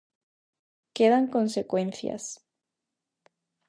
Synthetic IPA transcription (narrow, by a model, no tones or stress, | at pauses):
keðaŋkonse̞kwe̞nθja̰s